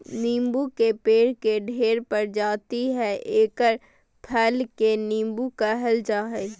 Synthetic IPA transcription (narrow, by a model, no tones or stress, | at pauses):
nĩːmbukepeːɽkeɖʱeːɾpɐɾd͡ʒaːt̪iɦɛʔeːkəɾ | pʰɛːlkenĩːmbukaɦɛld͡ʒaɦɛ